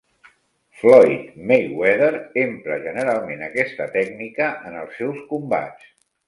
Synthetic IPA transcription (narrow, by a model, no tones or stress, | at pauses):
flɔjt̪mejwɛðəɾempɾəʒənəɾalˠmenəkɛst̪ət̪ɛɡnikəʔənəlˠsːɛwskumba̰t͡s